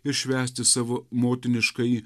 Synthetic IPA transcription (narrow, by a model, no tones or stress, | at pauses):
ɪɾʃʲʋʲæːsʲt̪ʲɪsɑːʋoːmoːt̪ʲɪnʲɪʃkɐɪ